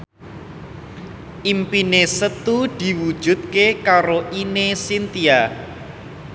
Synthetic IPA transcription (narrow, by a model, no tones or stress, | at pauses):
ʔimpinesət̪ud̪̥i̤wud̥ʒ̥ṳt̪̚kekaɾoʔinesint̪ia